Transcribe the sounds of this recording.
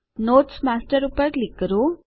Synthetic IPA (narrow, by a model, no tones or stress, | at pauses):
noːʈsmasʈəɾupəɾklikːəɾu